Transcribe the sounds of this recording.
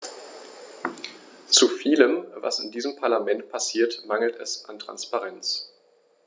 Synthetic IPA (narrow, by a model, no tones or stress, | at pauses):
t͡sufiːləmva̰sɪndiːzəmpʰaɐlamɛnt̚pʰasiːɐtmaŋl̩tɛsʔantʁ̥a̰nspaʁɛnt͡s